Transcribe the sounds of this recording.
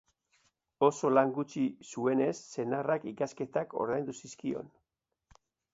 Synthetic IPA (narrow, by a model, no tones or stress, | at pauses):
o̞so̞laŋɡut͡ʃisue̞ne̞sːe̞narakikaske̞t̪ako̞̰ɾðajnd̪usiskio̞̰n